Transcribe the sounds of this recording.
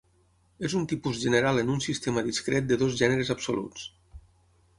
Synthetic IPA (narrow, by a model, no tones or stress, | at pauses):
ezunt̪ipuzʒənəɾalˠənunsist̪eməðiskɾet̪̚d̪əðozʒɛnəɾəzəpso̰lṵt͡s